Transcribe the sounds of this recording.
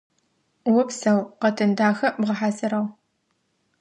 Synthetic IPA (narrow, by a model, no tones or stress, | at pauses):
wʊpsɐwqɐtʰɨndaːxɐbʁɐħasɐɾɐw